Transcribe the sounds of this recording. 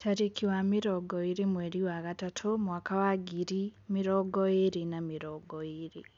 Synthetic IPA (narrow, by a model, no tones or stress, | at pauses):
taɾikʰiwamiɾɔɡɔiɾimweɾiwaɣatatʰomwaːkawaɡiɾimiɾɔɡɔeɾinamiɾɔɡɔiɾi